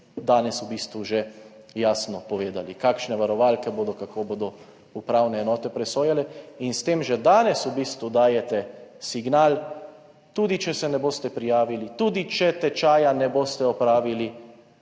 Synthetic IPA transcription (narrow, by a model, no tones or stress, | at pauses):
d̪aːnɛsubiːst̪ʋuʒɛ | jaːsnɔpɔʋeːd̪alikaːkʃnɛʋaɾɔʋaːlkɛboːd̪ɔkakʰoːboːd̪ɔ | upɾaːwnɛːnɔːt̪ɛpɾɛsoːjalɛinst̪eːmʒɛd̪aːnɛsubiːst̪ʋud̪aːjɛt̪ɛsiɡnaːl | t̪uːd̪it͡ʃɛsɛnɛboːst̪ɛpɾijaːʋilit̪uːd̪it͡ʃɛt̪ɛt͡ʃaːjanɛboːst̪ɛɔpɾaːʋili